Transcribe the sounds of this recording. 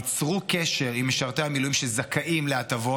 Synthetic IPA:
t͡sʁukeʃe̞ʁimːeʃaʁt̪ehamilujimʃezakʰaʔimleat̪avo̞

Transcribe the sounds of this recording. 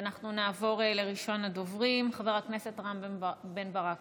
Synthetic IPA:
naχnunaːvo̞ʁele̞ʁiʃo̞nad̪o̞vʁimχave̞ʁhakne̞set̪aʁambe̞nbaʁak

